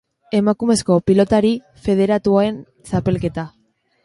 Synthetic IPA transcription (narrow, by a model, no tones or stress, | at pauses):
e̞makume̞sko̞pilo̞t̪aɾi | fe̞ð̞e̞ɾat̪uae̞n | sape̞lke̞t̪a